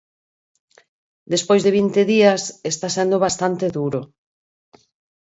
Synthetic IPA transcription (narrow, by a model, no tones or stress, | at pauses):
d̪espojzðeβ̞int̪eðiɐsest̪asɛnd̪oβ̞ast̪ant̪eðuɾo